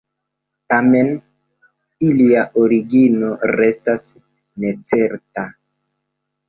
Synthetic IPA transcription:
tame̞n | iliaʔoɾiɡino̞ɾe̞stas | ne̞t͡se̞ɾta

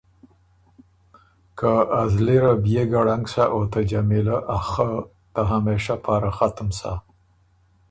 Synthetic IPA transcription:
kʰaazliɾabjeɡaɽaŋɡsaʔot̪ad͡ʒamilaʔaxa | t̪aɦameʂapʰɑɾaxat̪əmsa̰

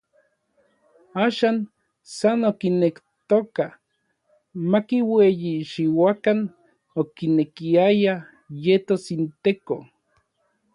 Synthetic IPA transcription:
aːʃan | sanokinektt̪oka | makiwejiʃiwakan | okinekiaja | jet̪osint̪eko

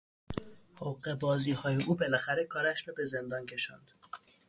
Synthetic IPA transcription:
houɢe̞bɒːziːhɒːjeʔuːbelæxæɾe̞kʰɒːɾæʃɾɒːbe̞ze̞nd̪ɒːncʰe̞ʃɒ̰ːnd̪̥

